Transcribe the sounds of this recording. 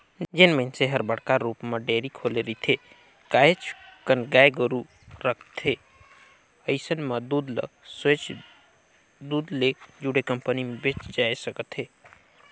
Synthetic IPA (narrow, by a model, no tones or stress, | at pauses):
d͡ʒenmenseɦəɾbəɽkaɾupmeɖeɾikʰoleɾit̪ʰe | kaːet͡ʃʰkənɡajɡəɾu | ɾəkʰt̪ʰe | əɪsənməd̪ud̪lə̰set͡ʃ | d̪uːd̪lek̚d͡ʒuɽekəmpənimebet͡ʃd͡ʒaesəkət̪ɦeː